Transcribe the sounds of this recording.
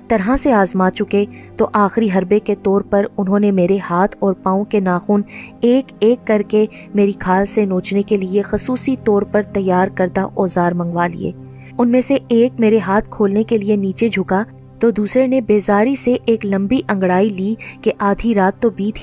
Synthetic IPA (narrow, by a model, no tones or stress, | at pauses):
t̪ɐɾɦãseaːzmaːt͡ʃʊke | t̪oʔaːxɾiɦɐɾbeket̪ɔːɾpɐɾʊnɦõnemeːɾehaːt̪ʰɔːɾpãːõkenaːxuːneːkeːkːɐɾke | meːɾikʰaːlsenoːt͡ʃnekeliexʊsuːsit̪ɔːɾpɐɾt̪ɐjːaːɾkɐɾd̪aʔɔːzaːɾmɐ̃ŋɡʋalḭḛː | ʊnmẽseeːk̚meːɾeɦaːt̪̚ʰkʰoːlnekelieniːt͡ʃed͡ʒʱʊka | t̪oːd̪uːsɾenebeːzaːɾiseʔeːklɐ̃mbiʔɐ̃ŋɡɽaːiliːkeʔaːd̪ʱiɾaːt̪ːobiːd̪